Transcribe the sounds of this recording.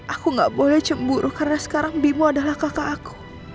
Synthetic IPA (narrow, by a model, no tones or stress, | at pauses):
ʔakuŋɡaʔbolɛht͡ʃəmbuɾʔukaɾənasə̥kaɾaŋbimuadaɦlahkakaːku̥